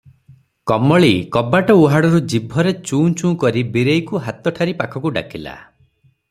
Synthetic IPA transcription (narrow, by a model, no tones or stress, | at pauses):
kɔmɔɭikɔbaʈɔuɦaɽɔɾud͡ʒibʱɔɾet͡ʃuːt͡ʃũːkɔɾibiɾejkuɦat̪ɔʈʰaɾipakʰɔkuɖa̰kila̰